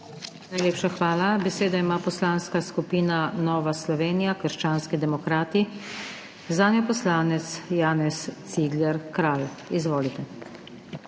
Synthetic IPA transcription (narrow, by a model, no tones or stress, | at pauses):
najleːpʃaxʋaːlabɛseːd̪aimaːpɔslaːnskaskupiːnanɔːʋaslɔʋeːnijakəɾʃt͡ʃaːnskid̪ɛmɔkɾaːt̪i | zaːnjɔpɔslaːnɛt̪sjaːnɛst̪siːɡlɛɾkɾaːl | izʋoːlit̪ɛ